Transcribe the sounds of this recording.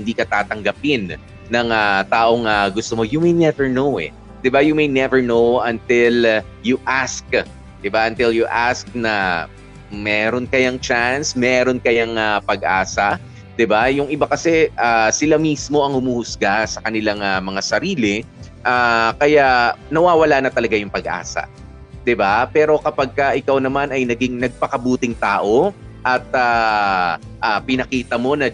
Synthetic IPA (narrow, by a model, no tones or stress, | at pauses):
hɪnd̪iːkɐt̪aːt̪ɐŋɡɐpɪnː | ɐŋat̪aːʔo̞ŋɐɡʊst̪omo̞jʊmɛjnɛvɛɹnowɛ̰ | d̪̥ɪbajʊmɛjnɛvɛɹnowʔɐnt̪ɪl | jʊʔask̚ | d̪̥ɪbaʔɐnt̪ɪljʊʔask̚nɐ | mɛːɾo̞nkɐjaŋt͡ʃansmɛːɾo̞nkɐjaŋɐpɐɡ̚ʔa̰ːsɐ | d̪ɪbajʊŋʔɪbakɐsɛʔaːsɪlamismo̞ʔɐŋhʊmuːhʊsɡasɐkɐnɪlaŋɐmɐŋasɐɾiːlɪ | ʔaːkɐjanɐwaːwɐlanɐt̪ɐlɐɡajʊŋpɐɡʔa̰ːsɐ̰ | d̪̥ɪbapɛːɾo̞kɐpɐɡ̚kɐʔɪkawnɐmanɐjnɐɡɪŋnɐɡ̚pɐkɐbuːt̪ɪŋt̪aːʔo̞ʔɐt̪̚aː | ʔapɪnɐkiːt̪ɐmo̞nɐ